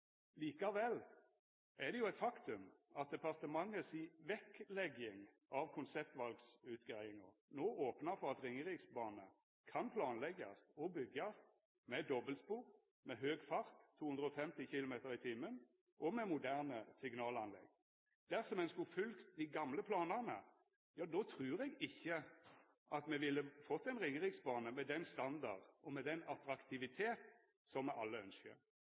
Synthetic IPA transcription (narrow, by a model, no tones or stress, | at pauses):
liːkɑʋɛlː | ɛʁd̪ɛjʊæɪt̪fɑkt̪ʉmɑt̪̚d̪ɛpɑʁt̪əmɑŋːəsiʋɛklɛɡɪŋ | ɑʋkʰʊnsɛp̚t̪ʋɑlɡsʉːt̪ɡʁæɪɪŋɑnoːoːpnɑfɔʁɑt̪ʁɪŋːəʁiːksbɑːnə | kʰɑnpʰlɑːnlɛɡɑ̰st̪ɔbʏɡɑst̪ | mɛd̪ɔbəlspuːʁ | mɛɦøːɡfɑʁt̪ʰːuːhʉnd̪ʁəɔfɛmt̪ɪçɪlʊmeːt̪əʁɪt̪ʰɪmːən | ʔɔmɛmʊd̪æʁnəsɪɡnɑːlɑnlɛ̰ɡː | d̪̥æʁsɔmɛnskʊfʉlkt̪d̪ɪɡɑmləpʰlɑːnəʁnə | jɑːd̪oːt̪ʰʁʉːɾɛɡɪçːə | ʔɑt̪mɛʋɪlːəfɔt̪ːɛɪnʁɪŋːəʁɪksbɑːnəmɛd̪ɛnst̪ɑnd̪ɑd̪ɔmɛd̪ɛnɑt̪ɾɑkt̪ʰɪʋɪt̪ʰeːt̪ | sɔmɛʔɑlːəœ̰nskə̰ʁ